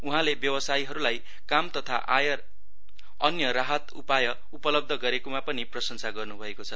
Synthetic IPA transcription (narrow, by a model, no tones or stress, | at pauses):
uɦãlebjʌwʌsajiɦʌɾulaj | kamt̪ʌt̪ʰaʔa̰jʌr | ʌnjʌɾaɦʌt̪upajʌ | upʌlʌb̚d̪ʱʌɡʌɾekomapʌniprʌsʌnsaɡʌrnubʱʌekot͡sʰʌ